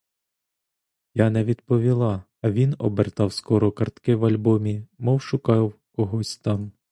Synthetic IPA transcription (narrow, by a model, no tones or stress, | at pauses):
jɑnɛʋʲid̪pɔʋʲilˠɑː | ʋʲinɔbert̪ɑwskɔɾɔkɐrt̪kɪwɐlʲbɔmʲimɔwʃʊkɑwkɔɦɔsʲt̪ɑm